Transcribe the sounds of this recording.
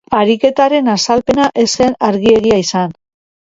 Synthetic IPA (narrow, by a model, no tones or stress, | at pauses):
aɾike̞t̪aɾe̞nasalpe̞naʔe̞se̞naɾɣie̞ɣiaisan